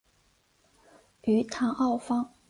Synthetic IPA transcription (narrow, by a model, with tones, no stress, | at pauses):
yː˨˥t̪ʰaː˨˩ʔɐ˥˧wfa˥ŋ